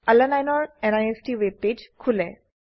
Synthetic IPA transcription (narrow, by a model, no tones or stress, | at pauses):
alɛnajnɔɹɛnajestiweb̚pːed͡ʒkʰulɛ